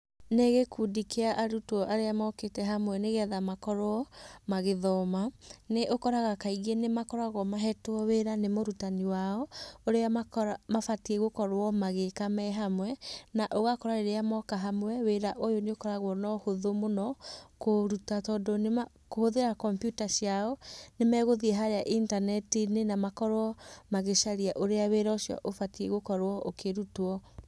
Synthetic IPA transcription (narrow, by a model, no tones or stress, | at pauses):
neɣekudikeaʔaɾutɔʔaɾeamɔketɛɦamwɛneɣɛðamakɔɾɔmaɣeðɔmaneʔokɔɾaɣakaiɣenemakɔɾaɣɔmaɦɛtwɔweɾanemoɾutaniwaɔoɾeamaamafatieɣokɔɾwɔmaɣekamɛɦamwɛnaʔoɣakɔɾaɾeɾeamɔkaɦamwɛweɾaʔojoneokɔɾaɣwɔnɔhoðomonɔkoɾutatɔːdonema | kohoðeɾakɔmpjutaʃiaɔnemɛːɣoðieɦaɾeaʔintanɛtinenamakɔɾwɔmaɣeʃaɾiaʔoɾeaweɾaosjɔ̰ʔofatieɣokɔɾwɔʔokʰeɾutoɔ